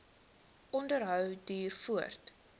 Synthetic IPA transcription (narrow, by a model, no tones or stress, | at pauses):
ʔɔndəɾɦœwdyːrfuərt